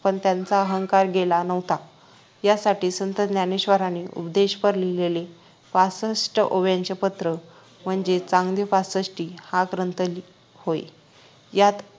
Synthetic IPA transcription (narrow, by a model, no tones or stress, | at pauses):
pəɳt̪jant͡saəɦəŋkaɾɡelanəʋt̪a | jasaʈiːsənt̪əd̪njaneɕʋəɾaniːʔṵpd̪eɕpəɾlilele | fasəsʈəʔoʋjaɲt͡ɕepət̪ɾə | m̤əɳd͡ʑet͡sãŋɡd̪jəfasəsʈiːhakɾənt̪əli | hoḛ | jat̪